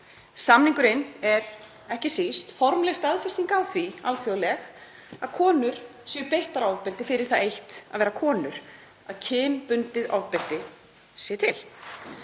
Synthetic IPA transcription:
samniŋkʏɾɪnɛɾ | ɛhcɪsist̪fɔɾmlest̪aðfɪ̥st̪iŋkawθvialθjolɛx | aðkʰɔːnʏɾ̥sɛʏpejht̪aɾawpɛlt̪ɪfɪɾɪɾ̥θaðejht̪a̰ðvɛːɾakʰɔːnʏɾ̥ | aðcʰɪːnpʏnt̪ɪða̰wpɪlt̪ɪ | siɛt̪ʰɪl

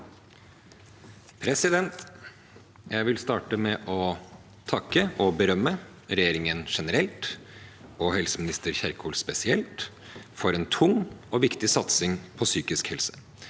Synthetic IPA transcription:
pʰɾɛsɪd̪ɛnt̪ | jæɪʋɪlst̪ɑːʈəmɛʔɔ | t̪ʰɑkːəʔɔbəɾœmːə | ɾɛjeːɾɪŋənʂɛnəɾɛlt̪ | ɔhɛlsəmɪnɪst̪əɾçæɾkʰuːlspɛsɪɛlt̪ | fɔɾɛːnt̪ʰʊŋɔʋɪkt̪ɪsɑt̪sɪŋpʰɔsyːkɪskhɛlsə̥

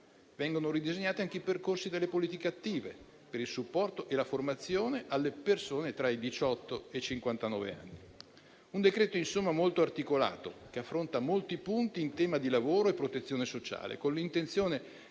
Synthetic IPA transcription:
vɛŋɡonoɾid̪izeɲːaːt̪iaŋkeiperkorsid̪elːepoliːt̪ikeat̪ːiːve | peɾilsupːɔrt̪oʔelaformat̪sːjoːneʔalːepersoːnet̪ɾaid̪it͡ʃɔt̪ːoet͡ʃiŋkwant̪anɔ̰ːvḛa̰nːi | und̪ekɾɛːt̪oinsomːamolt̪oart̪ikola̰ːt̪o̰k̟eafːɾont̪amolt̪ipunt̪iːnt̪ɛːmad̪ilavoːɾoepːɾot̪et̪sːjoːnesot͡ʃa̰ːlḛkonlint̪ent̪sjoːne

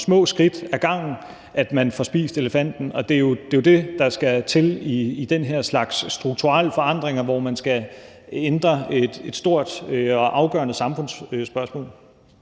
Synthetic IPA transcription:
smɔ̰̽ːsɡ̥ʁid̥æɐɡ̥ɑ̈ŋ̰n̩ | ʔæd̥mænfɒ̽sb̥ḭːsd̥e̝ləfæn̰d̥n̩ɒ̽d̥e̝jo̝d̥e̝jod̥e̝d̥ɑ̈sɡ̥æt͡sʰe̝liːd̥enɦeɐslɑ̈ɡ̥sːd̥ʁuɡ̥̚t͡sʰuʁɑləfɒ̽ɑ̈n̰d̥ʁeŋɐʋɒmænsɡ̥æ | end̥ʁɐed̥e̝d̥sd̥o̝ɐ̰d̥ɒ̽ʔɑ̈ʊɡ̥ɶ̰ɐnəsɑ̈mfɔ̽nssb̥ɶɐsmɔ̰ːl

